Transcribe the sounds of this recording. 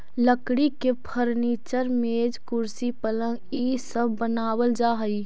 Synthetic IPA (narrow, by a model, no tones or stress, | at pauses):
ləkɽikepʰəɾniːt͡ʃəɾmeːd͡ʒkʊɾsipələ̃ŋɡisəbʱbənaːwəld͡ʒaːɦəi